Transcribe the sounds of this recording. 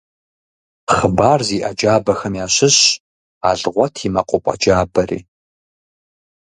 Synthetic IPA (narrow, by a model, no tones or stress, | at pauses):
χəbaːrziːʔɐd͡ʒaːbɐxɐmjaːɕɪɕ | a̰ːɮʁʷɔtʰimɐqʷʼʊpʼɐ̰d͡ʒaːbɐrḭː